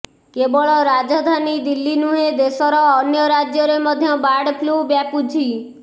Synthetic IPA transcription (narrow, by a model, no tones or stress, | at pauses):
kebɔɭɔɾad͡ʒɔd̪ʱanid̪ilːinuɦed̪esɔɾɔːnjɔɾad͡ʒjɔɾemɔd̪ʱjɔbaɽpʰlubjapud͡ʒʱi